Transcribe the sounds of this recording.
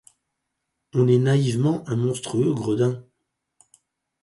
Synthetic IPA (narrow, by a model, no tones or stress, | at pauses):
ɔ̃nɛnaivmɑ̃ʔɛ̃mɔ̃st̪χyøɡʁəd̪ɛ̃